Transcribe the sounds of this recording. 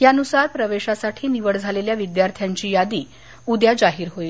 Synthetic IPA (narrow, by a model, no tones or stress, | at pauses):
ɦjanusaɾpɾəʋeɕasaʈʰiːniʋəɭd͡zʱaleljaʋid̪jaɾt̪ʰjaɲt͡ɕiːjad̪iː | ud̪jad͡ʑaɦiːɾɦoil